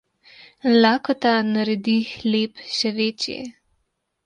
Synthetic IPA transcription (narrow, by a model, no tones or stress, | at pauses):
laːkɔt̪anaɾɛd̪ixleːpʃɛʋeːt͡ʃjɛ̰